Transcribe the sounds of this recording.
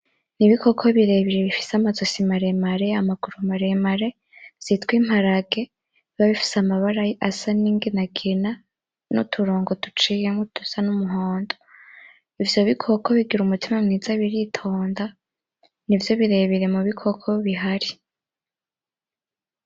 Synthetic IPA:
niβikʰo̞kʰoβiɾe̞βiɾe̞βifi̥samazosimaɾe̞maɾe̞amaɡ̥uɾumaɾemaɾe̞ | z̥itkwiːm̥haɾaɡe̞ | βaβifi̥samaβaɾajiʔasaniːŋɡinaɡina | nṵtʰuɾoːŋɡotut͡ʃijemotu̥sanumuɦoːndo | ivjo̞βikʰokʰoβiɡiɾumutimamŋizaβiɾitʰo̞ːnda | nivjo̞βiɾe̞βiɾe̞muβikʰokʰo̞βiɦaɾi

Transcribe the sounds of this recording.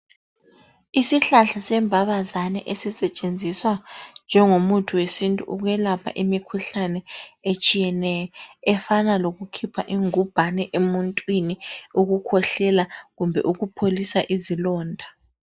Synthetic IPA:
isiɬaɬasɛmbʱaβazanɛ̰ʔesisɛt͡ʃʼend͡zʱiswand͡ʒʱɛŋomutʰuwesintʼṵʔuɣwɛlapʰa̰ʔimikʰuɬanɛet͡ʃʼijɛnɛjɔɛfanaloɣukʰipʰaʔiŋub̥ʱanɛʔemuntʼwiniuɣukʰɔɬɛlaɣumbʱɛʔuɣupʰolisaʔizilɔːndʱa

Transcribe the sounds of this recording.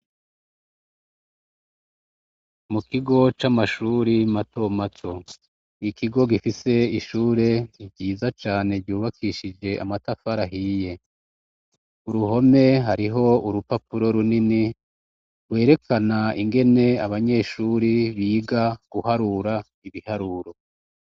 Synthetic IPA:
mukiɡo̞t͡ʃamaʃuɾimato̞matʰo | ikiɡo̞ɡifise̞iʃuːɾe̞ibɟiːzat͡ʃaːne̞ɾɟuːβakʰiʃid͡ʒe̞ʔamatafaɾaɦije̞ | uɾuɦo̞me̞ɦaɾiɦo̞uɾupapuɾo̞ɾunini | we̞ːɾe̞kanaiŋɡe̞ne̞aβaɲe̞ːʃuːɾiβiːɡaɡ̥uhaɾuɾa | iβihaɾuɾo̞

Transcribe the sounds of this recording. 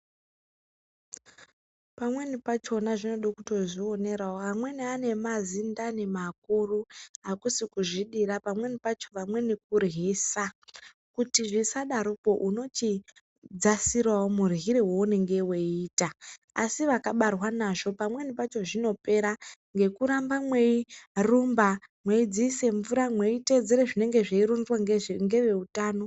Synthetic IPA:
pamwe̞nipat͡ʃo̞naʐino̞ɗokuto̞ʐio̞ne̞ɾaoamwe̞niane̞mazindane̞mak̚uruakusikuʐiɗirapamwe̞nipat͡ʃo̞ʋamwe̞nik̚urɦisa | kutiʐisaɗaɾupo̞ʔuno̞t͡ʃi | d͡zasirwaomurɦiɾewo̞une̞ŋɡe̞weiːtaː | siʋakaɓarwanaʐo̞pamwe̞nipat͡ʃo̞ʐino̞pe̞ɾaŋɡe̞kuɾambamwe̞irumbamwe̞id͡ziːse̞ɱvuɾamwe̞ite̞d͡zeɾeʐine̞ŋɡe̞ʐeiɾondwaŋɡeŋɡe̞ʋe̞utaːno̞

